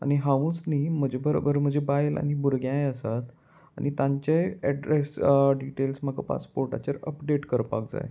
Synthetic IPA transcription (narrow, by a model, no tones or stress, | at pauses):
a̰ñiɦaʋũt͡snim̤əd͡ʑʱebəɾo̰bəɾm̤əd͡ʑʱebajla̰ñibuɾɡjãjəsat̪ | añit̪ãɲt͡ɕaɛɖɾesɖiʈelsm̤əkapa̰spoɾʈa̰t͡ɕaɾəpɖeʈkəɾpa̰kd͡za̰j